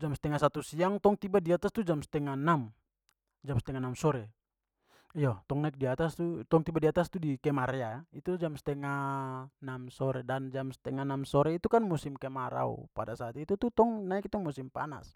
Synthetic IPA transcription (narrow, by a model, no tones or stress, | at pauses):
d͡ʒamsɛ̥t̪ɛŋasat̪usiaŋt̪ɔŋt̪ibadiat̪ast̪ud͡ʒamst̪ɛŋanam | d͡ʒamst̪ɛŋanamsɔɾɛ | ijat̪ɔŋnaik̚diat̪ast̪ut̪ɔŋt̪ibadiat̪ast̪udikɛmaɾɛait̪ud͡ʒamst̪ɛŋanamsɔɾɛdand͡ʒamst̪ɛŋanamsɔɾɛit̪ukanmusimkɛmaɾa̰ṵpa̰dasaːt̪it̪ut̪ut̪ɔŋnaik̚t̪ɔŋmusimpa̰na̰s